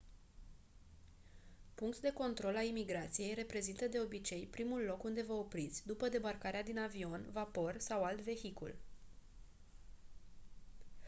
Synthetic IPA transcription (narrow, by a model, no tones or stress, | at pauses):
puŋk̚t̪d̪e̞ko̞nt̪ɾo̞lalimiɡɾat̪sije̞jre̞pɾe̞zint̪əd̪e̞o̞bit͡ʃe̞jpɾimulːo̞kund̪e̞vəopɾit̪sʲd̪upəd̪e̞barkaɾead̪inavio̞nvapo̞rsawalt̪ve̞çikṵl